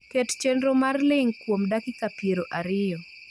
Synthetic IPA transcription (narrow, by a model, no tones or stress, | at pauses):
kett͡ʃenɾomarlɪŋkwomdakɪkapjeɾoʔaɾɪjɔ